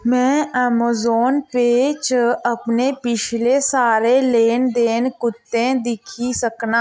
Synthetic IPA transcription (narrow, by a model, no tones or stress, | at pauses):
mɛ̃ːɛːmaːzoːnpeːt͡ʃɐpnepɪt͡ʃʰlesaːɾeleːnd̪eːnkʊt̪ːẽd̪ɪkʰisəkna